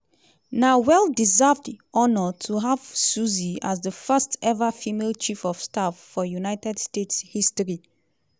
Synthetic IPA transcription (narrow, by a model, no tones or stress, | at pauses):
nawɛlˠdizavdɔnɔtʰuɦav̥suziazðəfɜstɛvəfimelt͡ʃifɔv̥stafːɔjunaɪtɛdstetshistɔɹi